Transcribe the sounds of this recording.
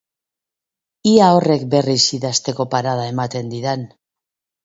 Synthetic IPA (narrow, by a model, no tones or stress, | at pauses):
iao̞re̞k̚be̞risiðast̪e̞ko̞paɾaðae̞mat̪e̞nd̪iðan